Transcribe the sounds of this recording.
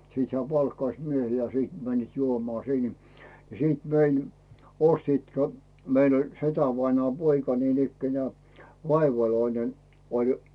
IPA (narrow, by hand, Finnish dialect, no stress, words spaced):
siːt hĕæˑ pɑlkːɑĭs miehiː jɑ siːt mænːiːt juomŏɑˑ siˑn jɑ jɑ siːt mein ostiːt kæ meil olʲ setæʋɑinŏɑːm poikɑ niːnikːenĕæˑ ʋɑiʋɑloinen olʲ